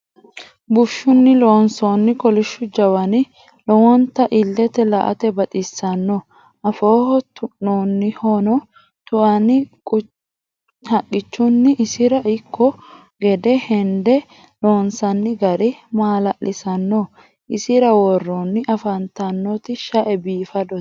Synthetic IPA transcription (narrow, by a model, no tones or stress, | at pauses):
bʊʃːʊnːɪlo̞ːnsoːnːɪkɔlɪʃːʊd͡ʒɐwɐnɪ | lɔwɔnt̪ɐʔɪlːɛt̪ɛlɐ̰ʔɐ̰t̪ɛbɐt̪ʼɪsːɐnːo | ʔɐfoːhɔt̪ʊʔːoːnːɪhonɔ | t̪ʊʔɐnɪkʼʊ | hɐkʼːɪt͡ʃːʊnːɪʔːsɪɾɐʔɪkːɔ | ɡɛd̪ɛhɛnd̪ɛ | lo̞ːnsɐnːɪɡɐɾɛmaːlɐʔlːʔɪsɐnːo | ʔɪsɪɾɐwɔrːonːɪʔɐfɐnt̪ɐnːɔt̪ɪʃɐʔɛbiːfɐd̪ɔ̥